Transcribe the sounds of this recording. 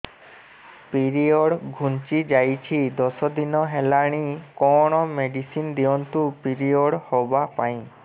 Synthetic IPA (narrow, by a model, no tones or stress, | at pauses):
piɾiɔɽɡʱunt͡ʃid͡ʒajt͡ʃʰid̪ɔsɔd̪inɔɦelaɽ̃ikɔɽ̃ɔmeɖisind̪iɔnt̪upiɾiɔɽhɔbapaĩ